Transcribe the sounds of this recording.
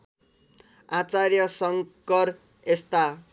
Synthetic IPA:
at͡sarjʌsʌŋkʌr | est̪a

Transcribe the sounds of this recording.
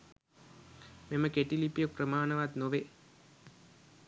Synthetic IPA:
memɐkeʈːilipːijok̚prɐmaːɳɐʋaːt̪noʋe

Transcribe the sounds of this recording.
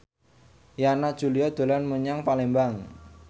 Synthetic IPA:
janad̥ʒ̥ṳliɔd̪̥o̤lanməɲaŋpalembaŋ

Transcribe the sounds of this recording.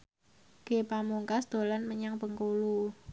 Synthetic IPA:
ke̤pamuŋkasd̪̥o̤lanməɲaŋpəŋkolu

